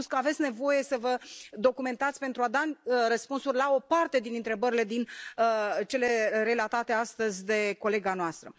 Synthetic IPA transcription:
skəavet̪sʲne̞vo̞je̞səvəd̪o̞kume̞nt̪at̪sʲpe̞nt̪ɾuad̪arəspunsurʲlao̞part̪e̞d̪inɨnt̪ɾe̞bəɾile̞d̪inət͡ʃe̞le̞re̞lat̪at̪e̞ast̪əzʲd̪e̞ko̞le̞ɡanoast̪ɾə

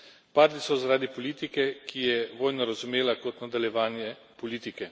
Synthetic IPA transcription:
paːɾd̪isɔzaɾaːd̪ipɔliːt̪ikɛkʰijɛʋoːjnɔɾazumeːlakɔt̪nad̪aljɛʋaːnjɛ | pɔliːt̪ikɛ

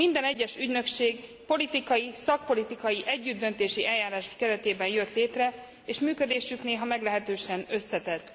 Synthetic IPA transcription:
mind̪ɛnɛɟːɛʃyɟnø̞kʃeːɡ | po̞lit̪ikɒjisɒk̚po̞lit̪ikɒjiʔɛɟːyd̪d̪ːø̞nt̪eːʃiʔɛljaːɾaːʃkɛɾɛt̪eːbɛnjøt̪leːt̪rɛ | eːʃmyːkød̪eːʃykneːɦɒmɛɡlɛɦɛt̪øːʃɛnø̞sːɛt̪ɛt̪ː

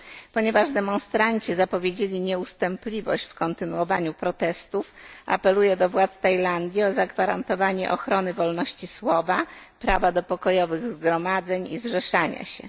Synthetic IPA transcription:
pɔɲɛvaʐd̪ɛmɔ̃nst̪ɾaɲt͡ɕizapɔvʲjed͡ʑelʲiɲɛust̪ɛmplʲivɔ̰ɕt͡ɕfkɔnt̪ɘnuɔvaɲupɾɔt̪ɛst̪ufa̰pɛlujɛd̪ɔvwat̪st̪ajland̪ʲjiɔzaɡvaɾant̪ɔvaɲɛʔɔxɾɔnɘvɔlnɔɕt͡ɕiswɔvapɾavad̪ɔpɔkɔjɔvɘɣzɡɾɔmad̪zɛɲizʐɛʂaɲa̰ɕɛ̰

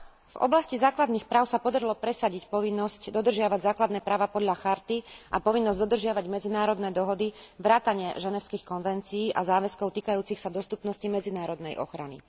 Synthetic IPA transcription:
vɔ̰blascizaːklad̪niːxpɾaːʊsapɔd̪aɾilɔpɾɛsaɟicpɔʋinːɔscd̪ɔd̪r̩ʒɪaʋaɟzaːklad̪nɛːpɾaːʋapɔd̪ʎaxaɾt̪iʔapɔʋinːɔzɟd̪ɔd̪r̩ʒɪaʋaɟmɛd͡zinaːɾɔd̪nɛːd̪ɔɦɔd̪iʋɾaːt̪aɲɪɛʒɛnɛʊskixkɔnʋɛnt͡siiːʔazaːʋɛskɔʊt̪iːkajuːt͡sixsad̪ɔst̪upnɔscimɛd͡zinaːɾɔd̪nɛjʔɔ̰xɾa̰nḭ

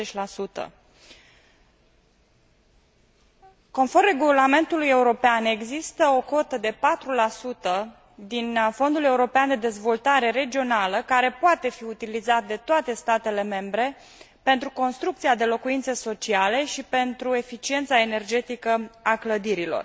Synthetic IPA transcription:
et͡ʃʲlasut̪ə̰ | ko̞nfo̞rre̞ɡulame̞nt̪uluje̞uɾo̞peane̞ɡzist̪əoko̞t̪əd̪e̞pat̪ɾulasut̪ə | d̪info̞nd̪ule̞uɾo̞peand̪e̞d̪e̞zvo̞lt̪aɾe̞ɾe̞d͡ʒio̞naləkaɾe̞poat̪e̞fiut̪ilizat̪̚d̪e̞t̪oat̪e̞st̪at̪e̞le̞me̞mbɾe̞ | pe̞nt̪ɾuko̞nst̪ɾuk̚t̪siad̪e̞lo̞kuint̪se̞so̞t͡ʃiale̞ʃipe̞nt̪ɾue̞fit͡ʃie̞nt̪sae̞ne̞rd͡ʒe̞t̪ikəakləd̪iɾilo̞̰r

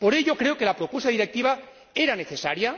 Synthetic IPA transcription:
po̞ɾe̞ʎo̞kɾe̞oke̞lapɾopwesaðiɾek̚t̪iβ̞a | e̞ɾane̞θe̞saɾja

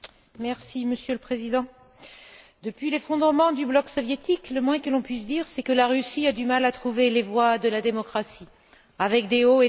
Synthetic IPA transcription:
mɛʁsiməsjøləpχezid̪ɑ̃ | d̪əpɥilefɔ̃d̪ʁəmɑ̃d̪yblɔksɔvjet̪ikləmwɛ̃kəlɔ̃pɥisd̪iʁsɛkəlaʁysiad̪ymalat̪χuvelevwad̪əlad̪emɔkχasi | avɛk̚d̪eoe

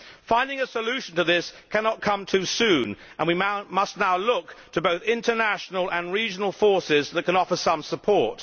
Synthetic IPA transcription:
fãɪ̃ndɪ̃ŋɨsəlʉʃn̩tʰɨðɪskʰænɑt̚kʰʌ̃mtʰʉsʉ̃n | ʔə̃nwimʌstnaʊlʊktʰəboʊθɪ̃ntənæʃnəl̩ˠə̃nɹid͡ʒnl̩ˠfɔɹsɪzðət̚kʰɨ̃nɑfə˞sʌ̃msəpʰɔɹt

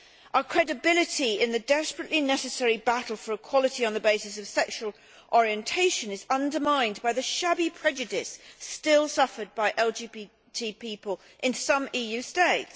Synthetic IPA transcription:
ʔəkʰɹ̥ɛdɨbɪlˠɨtiɪ̃nðɨdɛspɹɨʔlinɛsɨsɛɹibæɾl̩ˠfə˞əkʰw̥ɑlˠətiɨ̃nðəbeɪsɨsʌv̥sɛkʃwəl̩ˠ | ʔɔɹiɨ̃ntʰeɪʃɨ̃nɨzʌ̃ndə˞mãɪ̃nbaɪðɨʃæbipʰɹ̥ɛd͡ʒɨdɪstɪlˠsʌfə˞d̚baɪʔɛlˠd͡ʒibi | tʰipʰipəlˠ | ʔɨ̃nsʌ̃mijʉsteɪts

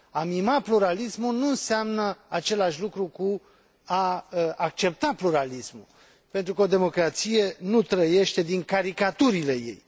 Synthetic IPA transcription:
amimapluɾalismulnuɨnseamnəat͡ʃe̞laʃʲlukɾuku | aak̚t͡ʃe̞p̚t̪apluɾalismṵl | pe̞nt̪ɾukəo̞d̪e̞mo̞kɾat̪sije̞nut̪ɾəje̞ʃt̪e̞d̪iŋkaɾikat̪uɾile̞je̞̰j

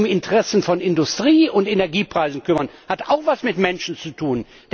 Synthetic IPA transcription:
ʊmɪntəʁɛsn̩fɔnɪndʊstʁ̥iːʊntenɛɐɡiːpʁ̥aɪzn̩kʏmɐnhata̰ʊxvasmɪtmɛnʃn̩t͡sutʰuːn | d̥

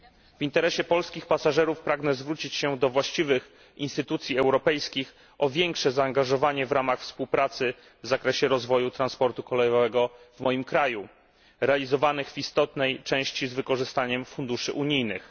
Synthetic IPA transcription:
v̥int̪ɛɾɛɕɛpɔlskʲixpasaʐɛɾufpɾaɡnɛzvɾut͡ɕit͡ɕɕɛd̪ɔvwaɕt͡ɕivɘx | ḭnst̪ɘt̪ut̪sʲiɛwɾɔpɛjskʲix | ɔvʲjɛŋkʂɛzaːŋɡaʐɔvaɲɛvɾamaxfspuwpɾat̪sɘ | vzakɾɛɕɛɾɔzvɔjut̪ɾanspɔɾt̪ukɔlɛjɔvɛɡɔvmɔjimkɾaju | ɾɛalʲizɔvanɘɣvist̪ɔt̪nɛjt͡ʂɛ̃w̃ɕt͡ɕizvɘkɔʐɘst̪aɲɛmfund̪uʂɘ̰ʔuɲijnɘ̰x

